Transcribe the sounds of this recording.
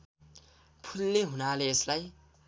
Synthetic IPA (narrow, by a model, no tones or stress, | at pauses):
pʰulːeɦunaleːslaj